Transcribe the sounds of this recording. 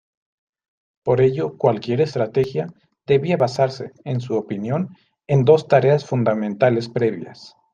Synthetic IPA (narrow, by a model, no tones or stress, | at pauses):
po̞ɾe̞ʝo̞kwalkje̞ɾe̞st̪ɾat̪e̞xja | ðe̞βiaβasaɾse̞ːnsuopinjo̞n | end̪o̞st̪aɾe̞asfund̪amẽnt̪ale̞spɾe̞βja̰s